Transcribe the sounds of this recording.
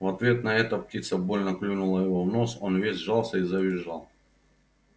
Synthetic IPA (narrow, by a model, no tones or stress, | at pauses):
vɐt̪vʲe̞t̪nɐɛt̪əp̚tʲit̪səbo̞lʲnəklʲunʊlˠəjɪvovno̞sonvʲesʲʐɑlˠsʲəizəvʲɪʐːɑlˠ